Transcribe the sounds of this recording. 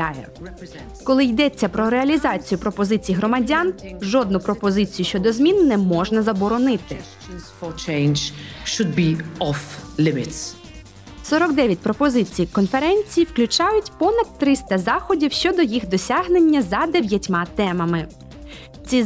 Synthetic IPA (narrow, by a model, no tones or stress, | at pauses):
ajɛ̰ | kɔlˠɪjd̪ɛt͡sʲːɐpɾɔɾeɐlʲizɑt͡sʲijʊpɾɔpɔzɪt͡sʲijiɦɾɔmɐdʲanʒɔd̪nʊpɾɔpɔzɪt͡sʲijʊʃt͡ʃɔd̪ɔzmʲinːɛmɔʒnɐzɐbɔɾɔnɪt̪ɪ̰ | fɔt͡ʃʰẽɪnd͡ʒʃʊd̪̚biɔflɪmɪts | sɔɾɔɡd̪ɛʋʲjɐt̚ʲpɾɔpɔzɪt͡sʲijkɔnfeɾɛnʲt͡sʲijiwklʲʊt͡ʃɑjʊtʲpɔnɐd̪t̪ːɾɪst̪ɐzɑxɔdʲiwʃt͡ʃɔd̪ɔjixd̪ɔsʲaɦnenʲːɐzɐd̪eʋʲjɐtʲmɑt̪ɛmɐmɪ | t͡sʲi